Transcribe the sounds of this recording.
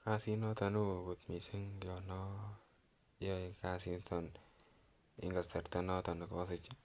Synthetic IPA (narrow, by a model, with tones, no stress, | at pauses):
ka˦si˦nɔ˦t̪ɔ˨nu˦˨ɡu˨t̪mi˨si˦ŋɔ˨nɔ˦ | jɔ˦ka˦si˦nt̪ʰɔ˨n | ɪ̰˦ŋɡa˨stɛ˨ɾt̪ɛ˦nɔ˦t̪ɔ˨n˨kɔ˦sɪ˨t͡ʃ